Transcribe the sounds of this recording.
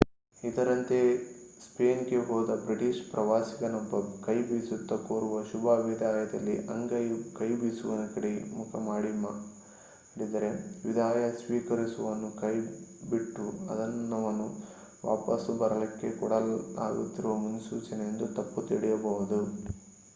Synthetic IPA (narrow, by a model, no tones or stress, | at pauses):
id̪ɐɾɐnt̪e̞speːnɡeɦɔːd̪ɐbɾiʈiʃpɾɐʋaːsiɡɐnɔbːɐkɐjbisut̪ːɐkoːɾuʋɐʃubʱaːʋid̪ʱaːjɐd̪ɐlːḭʔɐŋɡɐjkɐjbiːsuʋɐnɐkɐɽeimukʰɐmaːɽimɐ | ɽid̪ɐɾe̞ʋid̪ʱaːjɐsʋiːkɐɾisuʋɐnːukɐjbiʈːuɐ̰d̪ɐnːɐʋɐnːu | ʋa̰ːpɐsubɐɾɐlɐkːe̞kɔɽɐla̰ːɡṵt̪ːiɾuʋɐmunɐsuːt͡ʃɐnejend̪ut̪ɐpːut̪iɽɛjɐbɐɦud̪u